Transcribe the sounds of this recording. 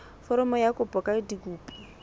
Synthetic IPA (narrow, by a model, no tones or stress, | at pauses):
fɔɾɔmɔjakʼʊpʼɔkʼadikʼuːpʼi̥